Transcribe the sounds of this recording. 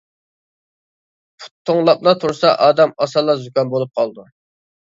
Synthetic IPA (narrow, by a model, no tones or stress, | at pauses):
pʰu̥t̪ʰːoŋlˠɑp̚lˠɑt̪ʰuɾsɑ̰ʔɑːd̪ɛmɑsɑlˠːɑzukʲɑnbolˠup̚qʰɑlˠd̪u